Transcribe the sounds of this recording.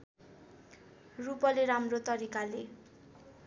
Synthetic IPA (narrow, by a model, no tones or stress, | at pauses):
rupʌleɾamrot̪ʌɾikale